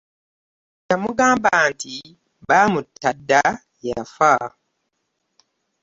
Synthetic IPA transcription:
jamuɡãːmbanti | bamutʰadːa | jafa

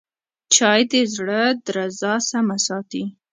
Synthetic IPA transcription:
t͡ʃɑjd̪ezɽəd̪ɾazɑsamasɑt̪i

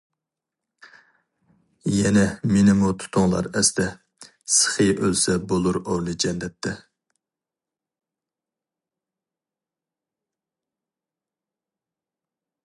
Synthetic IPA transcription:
jɛnɛmenɪmut̪ʰu̥t̪ʰʊŋlˠɑ̰ɾɛsd̪ɛ | sə̥χɨjʔølsɛbolˠuɾoɾlˠɨd͡ʒɛnːɛt̪ʰːɪ

